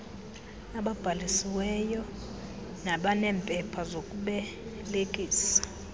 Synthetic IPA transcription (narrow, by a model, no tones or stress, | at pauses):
aɓab̥ʱalisiwɛjɔ | naɓanɛːmpʼɛpʰazokʼuɓɛlekʼiːsḁ